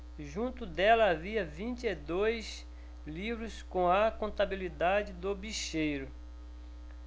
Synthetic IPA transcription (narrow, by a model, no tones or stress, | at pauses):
ʒũnt̪ʊd̪ɛlɐaviɐvĩnt͡ʃɪed̪ojs | livɾʊskõɐkõnt̪abilid̪ad͡ʒɪd̪ʊbiʃejɾʊ